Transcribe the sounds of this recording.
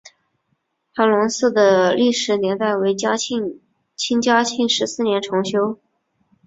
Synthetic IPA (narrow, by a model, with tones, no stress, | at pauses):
xa˧˥lʊ˧˥ŋsɹ̩˥˩d̪ə˩li˥˩ʂɻ̩˧˥njɛ˧˥nt̪a˥˩ɪwe˧˥ɪ˥˩ | t͡ɕʰi˥ŋt͡ɕja˥t͡ɕʰi˥˩ŋʂɻ̩˧˥sɹ̩˥˩njɛ˧˥nʈ͡ʂʰʊ˧˥ŋɕjo˥ʊ